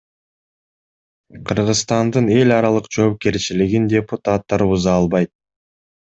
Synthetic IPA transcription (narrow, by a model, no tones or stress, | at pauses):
qʰɯɾʁɯzst̪ɑnd̪ɯne̞lʲɑɾɑlˠɯqd͡ʒo̞ːp̚ke̞ɾt͡ʃiliɡindʲe̞put̪at̪ːɑɾuzɑːlˠβɑjt̪̚